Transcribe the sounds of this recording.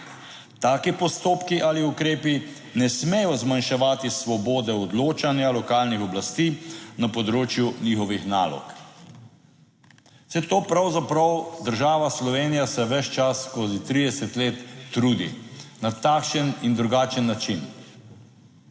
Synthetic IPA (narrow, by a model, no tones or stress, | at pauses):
t̪aːkipɔst̪oːpkiʔaliukɾeːpi | nɛsmɛjɔzmanʃɛʋaːt̪isʋɔboːd̪ɛɔd̪loːt͡ʃanjalɔkaːlnixɔblast̪iːnapɔd̪ɾoːt͡ʃjunixɔʋixna̰ːlɔ̰k | sɛt̪oːpɾawzapɾawd̪əɾʒaːʋaslɔʋeːnijasɛʋɛt͡ʃt͡ʃasːkoːzit̪ɾid̪ɛsɛt̪leːt̪ːɾuːd̪ḭnat̪aːkʃənind̪ɾuɡaːt͡ʃənːat͡ʃin